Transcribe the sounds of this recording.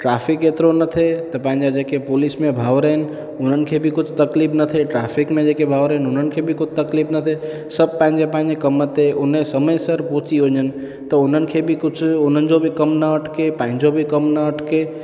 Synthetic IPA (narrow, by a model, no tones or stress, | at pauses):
ʈɾapʰiket̪ɾonət̪ʰet̪əpãɪ̃nd͡ʒad͡ʒekepulismẽbʱaːʋɾən | ʊnənkʰebʱikʊt͡ʃʰt̪əklipʰnət̪ʰeʈɾapʰikmẽd͡ʒekebʱawɾəɦnʊnənkʰebʱikʊt͡ʃʰt̪əklipʰnət̪ʰe | səb̚pãɦɪ̃nd͡ʒepãɦɪ̃nd͡ʒekəmːət̪eʊnesəməjsəɾpot͡ʃiɦoɲən | t̪əʊnənkʰebʱikʊt͡ʃʰʊn̤ənd͡ʒobʱikəmnəəʈʰkepaːɦɪ̃nd͡ʒobʱikəmnəəʈʰke